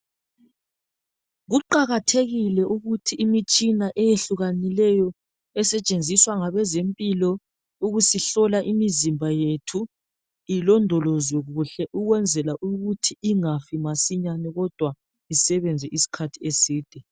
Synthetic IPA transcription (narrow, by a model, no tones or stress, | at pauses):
ɣuǃaɣatʰeɣilɛʔuɣutʰiːmit͡ʃʼinaʔɛjeɬuɣanilɛjɔ | ɛsɛt͡ʃʼend͡zʱiswaŋaβɛzempʼilɔ | uɣusiɬɔlaʔimizimbʱajetʰu | ilɔndʱɔlɔzwɛɣuɬɛʔuɣwɛnd͡zʱɛlaʔuɣutʰiːŋafimasiɲanɛɣɔd̥ʱwa | isɛβɛnd͡zʱɛʔisi̥kʰatʰiesiːd̥ʱɛ